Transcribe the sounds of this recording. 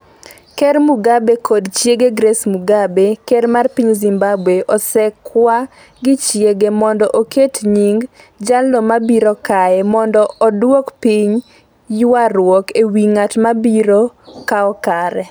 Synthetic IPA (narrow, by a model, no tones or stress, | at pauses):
kɛɾmuɡabekʰodt͡ʃjeɡeɡɾɛsmuɡabekɛɾmarpiɲzimbabweʔɔsɛkwa | ɡɪt͡ʃjeɡemɔndɔʔoketɲiŋɡ | d͡ʒalɔmabiɾokaɛmɔndɔɔdwɔkpiɲ | jarwɔkewiŋatmabiɾokaɔkaɾɛ